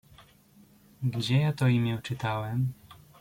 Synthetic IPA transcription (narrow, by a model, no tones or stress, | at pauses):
ɡd͡ʑɛjat̪ɔimʲjɛut͡ʂɘt̪awɛm